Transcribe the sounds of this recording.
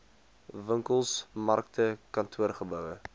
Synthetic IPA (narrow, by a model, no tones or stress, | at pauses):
vəŋkəlˠsmɐrk̚tʰəkɐntʰuərχəbœwə